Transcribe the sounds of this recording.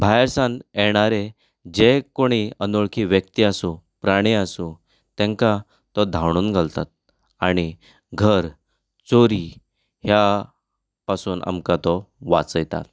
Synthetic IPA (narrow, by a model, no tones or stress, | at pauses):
bʱajɾsãnɛɽ̃aɾe | d͡ʑekoɽ̃iənoɭkʰiːʋjək̚t̪iasu | pɾaɽ̃iasũ | t̪ɛ̃ŋka | t̪ɔd̪ʱawɽ̃uːnɡʱalt̪a̰t̪̚ | aɽ̃i | ɡʱəɾ | t͡soɾi | hja | pasuːnʔa̰mkat̪ɔʋa̰t͡səjt̪a̰l